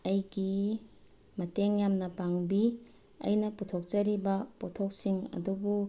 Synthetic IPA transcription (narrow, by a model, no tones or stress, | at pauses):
ɐjɡi | mɐteŋjamnɐpaŋbi | ɐ̰jnɐputʰok̚t͡ʃɐɾibɐpɔtʰok̚siŋɐ̰dubu